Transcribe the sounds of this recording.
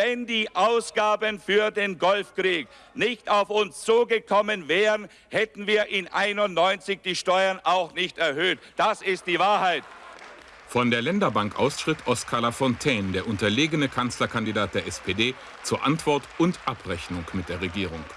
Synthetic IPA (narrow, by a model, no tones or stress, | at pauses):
vɛndiːʔaʊsɡ̥aːbənfyːɐdeːnɡɔlfkʁ̥iːk | nɪçtaʊfʊnst͡suːɡəkʰɔmənvɛːʁən | hɛtn̩viːɐʔɪnʔaɪnʊntnɔʏnt͡sɪçd̥iːʃtɔʏɐnʔaʊxnɪçtɛɐhøːt | d̥asɪstd̥iːvaːɐhaɪt | fɔndeːɐlɛndɐbaŋkʔa̰ʊsʃʁ̥ɪtʰʔɔskʰalafɔntʰɛːndeːɐʔʊntɐleːɡənəkʰant͡slɐkʰandidaːt̚d̥eːɐʔɛspʰeːdeː | t͡suːɐʔantv̥ɔɐtʊntʔapʁɛçnʊŋkmɪt̚d̥eːɐʁeɡiːʁ̞ʊŋ